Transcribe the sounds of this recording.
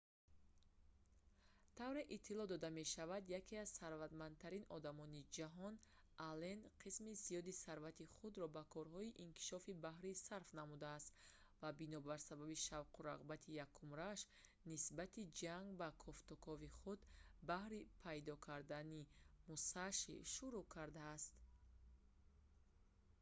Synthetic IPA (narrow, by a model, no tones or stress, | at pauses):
t̪ʰavɾeʔit̪ʰːilɔd̪ɔd̪ame̞ʃavad̪jakʰiazsaɾvad̪mand̪t̪ʰaɾinɔd̪amɔnid͡ʒaɦɔn | alenqʰismizijɔd̪isaɾvat̪iχud̪ɾɔbakʰɔɾɦɔiʔinkʰi̥ʃɔfibahɾisaɾfnamud̪aːst̪ | vabinɔbaɾsababiʃavqʰuɾaʁbat̪ʰijakʰumɾaʃ | nisbat̪ʰid͡ʒaŋɡbakʰɔft̪ɔkʰɔviχud̪bahɾipʰajd̪ɔkʰaɾd̪animusaʃḭʃuɾukʰaɾd̪aːst̪